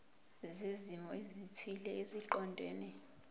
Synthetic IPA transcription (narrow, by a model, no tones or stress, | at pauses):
zezimɔezitʰilɛeziǃɔndʱeːni